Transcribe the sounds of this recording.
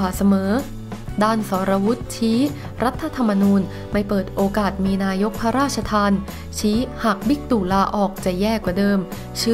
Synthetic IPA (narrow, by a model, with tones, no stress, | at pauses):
aː˨˩˦sa˧mɤː˩˦ | daː˥˩nsɔː˩˦ɾa˧wu˦˥t̪̚t͡ɕʰiː˦˥ | ɾa˦˥t̪ʰːa˧t̪ʰa˧mːa˧nuː˧n | ma˥˩jpɤː˨˩t̪̚ʔoː˧kaː˨˩t̪̚miː˧naː˧jo˦˥k̚pʰa˦˥ɾaː˥˩t̪̚t͡ɕʰa˧t̪ʰaː˧n | t͡ɕʰiː˦˥haː˨˩k̚bi˦˥k̚t̪uː˨˩laː˧ʔɔː˨˩k̚t͡ɕa˨˩jɛː˥˩kwa˨˩dɤː˧m | t͡ɕʰɯː˧˥